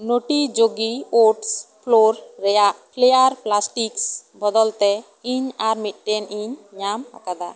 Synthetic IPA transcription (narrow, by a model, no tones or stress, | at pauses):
noʈid͡ʒoɡioʈspʰloɾːɛjaʔpʰlejaɾplasʈiksbɔd̪ɔlt̪ɛ | iɲaɾmiʈ̚ʈɛniɲɲamha̰kad̪a